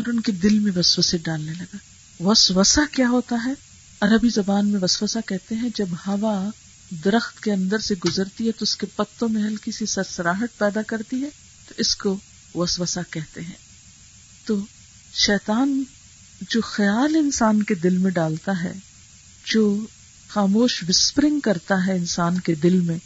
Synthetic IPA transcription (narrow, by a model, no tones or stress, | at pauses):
ɔɾʊnked̪ɪlmẽʋɐswəseɖaːlnelɐɡaː | ʋɐsʋəsakjaːɦoːt̪aɦɛː | ɐɾəbizɐbaːnmẽʋɐswəsakɛɦt̪eɦɛ̃d͡ʒɐbhɐʋa | d̪ɐɾəxt̪keɐ̃nd̪əɾseɡʊzəɾt̪iɦɛt̪oʊskepɐt̪ːõmẽɦɐlkisisɐɾsɐɾaːɦət̪̚pɛːd̪akɐɾt̪iɦɛː | t̪oʔɪsko | ʋɐsʋəsakɛɦt̪eɦɛ̰̃ː | t̪oː | ʃɛːt̪aːn | d͡ʒoːxɐjaːlɪnsaːnked̪ɪlmẽɖaːlt̪aɦɛ̰ː | d͡ʒoː | xaːmoːʃʋɪspɾɪ̃ŋɡkɐɾt̪aɦɛɪnsaːnked̪ɪlmẽː